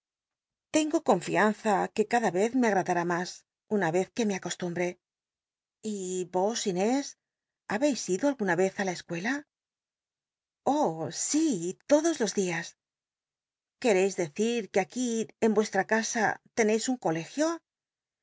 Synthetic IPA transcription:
t̪e̞ŋɡo̞ko̞ɱfianθake̞kaðaβe̞θme̞aɣ̞ɾaðaɾamas | unaβe̞θke̞me̞ako̞st̪umbɾe̞ | ibo̞sine̞s | aβe̞jsiðoalɣunaβe̞θalaeskwe̞la | o̞sit̪o̞ðo̞zlo̞zðias | ke̞ɾe̞jzðe̞θiɾkeakiembwe̞st̪ɾakasa̰t̪e̞ne̞jsuŋko̞le̞xjo̞

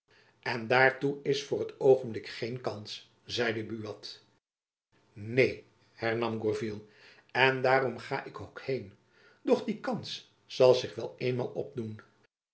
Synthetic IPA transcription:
ʔɛndaːɹtuɪsfʊːɹətowχənblɪkχejnkɑns | zɛjdəbyɑt | nej | hɛɹnɑmɡɔɹvilˠ | ɛndaːɾɔmχaːʔɪkokhejn | dɔχdikɑns | sɑlˠzɪχʋɛlˠeːnma̰ːlˠɔ̰b̚dun

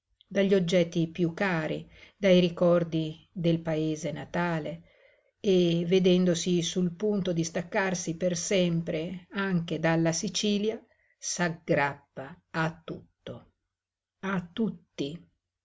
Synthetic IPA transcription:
d̪aʎːod͡ʒːɛt̪ːipjukːaːɾḭd̪ajɾikɔrd̪i | d̪elpaeːzenat̪aːle | eved̪ɛnd̪osisulpunt̪od̪ist̪akːarsipersɛmpɾeaŋk̟ed̪alːasit͡ʃiːlja | saɡɾapːaː | t̪ːut̪ːo | at̪ːut̪ːi

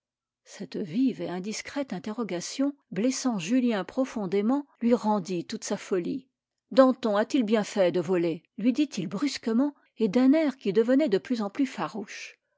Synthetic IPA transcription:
sɛt̪viveɛ̃d̪iskχɛt̪ɛ̃t̪eʁɔɡasjɔ̃blɛsɑ̃ʒyljɛ̃pχɔfɔ̃d̪emɑ̃lɥiʁɑ̃d̪it̪ut̪safɔli | d̪ɑ̃t̪ɔ̃at̪ilbjɛ̃fɛd̪əvɔlelɥid̪it̪ilbʁyskəmɑ̃ | ed̪ɛ̃nɛʁkʲid̪əvənɛd̪əplyzɑ̃plyfaʁuʃ

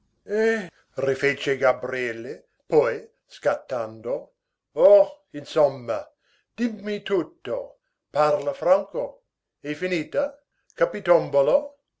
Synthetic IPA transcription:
e | rifet͡ʃeɡabɾiɛlːe | pɔj | skat̪ːand̪o | o | insomːɐ | d̪̥imːit̪ut̪ːo | parlafraŋko | efiniːt̪a | kapit̪ombolo

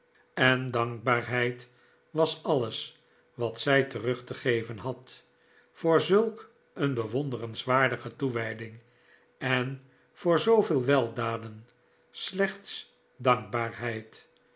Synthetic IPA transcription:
ɛndɑŋɡ̚baːɹɦɛjt | ʋɑsɑləs | ʋɑtsɛjtərɵχtəχejvənɦɑt | fʊːɹzɵlˠk | ənbəʋondərənsʋaːɹdəχətuʋɛjdɪŋ | ɛn | fʊːɹzowvɪːlˠʋɛlˠdaːdən | slɛχts | dɑŋɡ̚baːɹɦɛjt

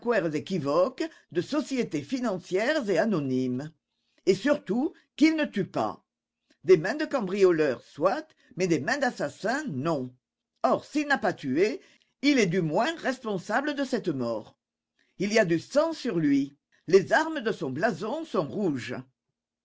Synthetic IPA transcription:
kwɛʁzekivɔk | d̪əsɔsjet̪efinɑ̃sjɛʁzeanɔnimə | esyʁt̪u | kilnət̪ypa̰ | d̪emɛ̃d̪əkɑ̃bʁijɔlœʁswat̪ | mɛd̪emɛ̃d̪asasɛ̃nɔ̃ | ɔʁsilnapat̪ye | ilɛd̪ymwɛ̃ʁɛspɔ̃sabləd̪əsɛt̪əmɔːʁ | iliad̪ysɑ̃syʁlɥi | lezaʁməd̪əsɔ̃blazɔ̃sɔ̃ʁuʒə

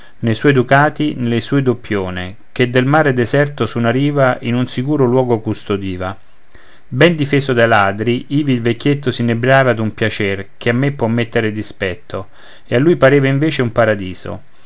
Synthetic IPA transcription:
nejswɔjd̪ukaːt̪inelesuːed̪opːjoːnḛ | k̟ed̪ːelmaːɾed̪ezɛrt̪osunaɾiːvaʔinunsikuːɾolwɔːɡokust̪od̪iːva | bɛnd̪ifeːsod̪alaːd̪ɾiiːviːlvekːjet̪ːosinebɾaːvad̪umpjat͡ʃɛrk̟ʰeamːepːwɔmːet̪ːeɾed̪ispɛt̪ːo | ealːujpaɾeːvaiɱveːt͡ʃeumpaɾad̪iːzo̰

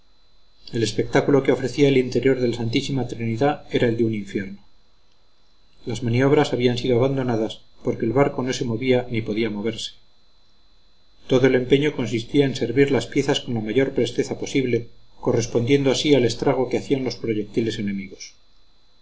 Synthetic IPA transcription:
e̞le̞spe̞k̚t̪akulo̞ke̞o̞fɾe̞θiaelint̪e̞ɾjo̞ɾðe̞lasant̪isimat̪ɾiniðae̞ɾae̞ld̪euniɱfje̞ɾno | lazmanio̞β̞ɾasaβiansiðoaβand̪o̞naðaspo̞ɾkeːlβaɾko̞no̞se̞mo̞βianipo̞ðiamo̞β̞e̞ɾse̥ | t̪o̞ðoe̞le̞mpe̞ɲo̞ko̞nsist̪iaense̞ɾβiɾlaspje̞θasko̞nlamaʝo̞ɾpɾe̞st̪e̞θapo̞siβle̞ko̞re̞spo̞nd̪je̞nd̪o̞asiale̞st̪ɾaɣ̞o̞keaθianlo̞spɾo̞ʝe̞k̚t̪ile̞se̞ne̞miɣo̞s

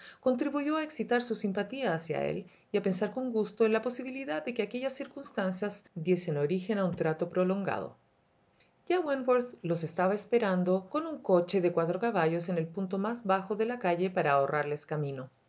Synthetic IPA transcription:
ko̞nt̪ɾiβuʝoaeksit̪aɾsusimpat̪iaːsja̰ḛl | iape̞nsaɾko̞ŋɡust̪oenlapo̞siβ̞iliðaðːe̞keakeʝasːiɾkunst̪ansjazd̪je̞senoɾixe̞naunt̪ɾat̪o̞pɾolo̞ŋɡa̰ð̞o̰ | ɟ͡ʝawanboɾslo̞sest̪aβaespeɾand̪oko̞nuŋko̞t͡ʃe̞ðekwat̪ɾokaβaʝos̬e̞nelpunt̪omazβaxoðe̞lakaʝepaɾaːorʔaɾle̞skamĩno̞

